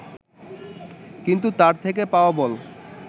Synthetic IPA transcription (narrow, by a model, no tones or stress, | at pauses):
kint̪ut̪aɾt̪ʰek̬epaoabɔl